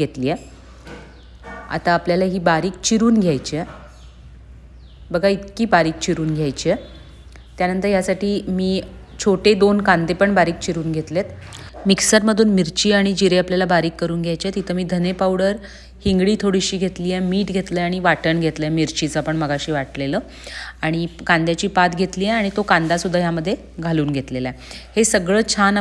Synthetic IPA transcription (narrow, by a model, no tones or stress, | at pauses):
ɡʱet̪liːje | a̰t̪aːpljalaɦiːbaɾiːk̚t͡ɕiɾuːnɡʱjajt͡ɕie | bəɡʱait̪kiːbaɾiːk̚t͡ɕiɾuːnɡʱjajt͡ɕie | t̪janənt̪əɾjasaʈiːmiː | t͡ɕʰoʈed̪onkãnt̪epəɳbaɾiːk̚t͡ɕiɾuːnɡʱet̪let̪miksaɾməd̪ʱuːnmiɾt͡ɕiːaɽ̃id͡ʑiɾeapljalabaɾiːkːəɾuːnɡʱjajt͡ɕiet̪it̪ʰəmiːd̪ʱənepawɽəɾ | hiŋɡɽiːt̪ʰoɽiɕiːɡʱet̪liːjemiːʈɡʱet̪ləaɽ̃iʋaʈəɳɡʱet̪ləemiɾt͡ɕit͡səapəɳməɡaɕiːʋaʈleləː | aɽ̃ikand̪jat͡ɕiːpat̪ɡʱet̪liːeaɽ̃it̪okand̪asud̪ʱːajaməd̪ʱːje | ɡʱaluːnɡʱet̪lelahesəɡɭəːt͡ɕʰan